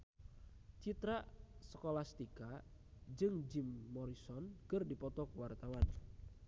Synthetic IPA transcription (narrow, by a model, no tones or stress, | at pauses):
t͡ʃit̪ɾasə̥kolast̪ikad͡ʒɨŋd͡ʒimːɔɾisɔnkərdipɔt̪ɔkwart̪awan